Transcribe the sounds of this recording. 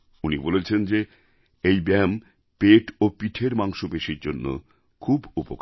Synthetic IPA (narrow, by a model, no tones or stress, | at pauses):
unibolet͡ɕʰend͡ʑe | ejbɛm | peʈopiʈʰeɾmaŋʃobeʃiɾd͡ʑonːo̰ | kʰubupok